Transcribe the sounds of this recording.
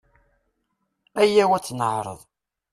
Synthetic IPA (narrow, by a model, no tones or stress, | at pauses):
æjːæwæt͡sːnəʕɾˤə̰ðˤ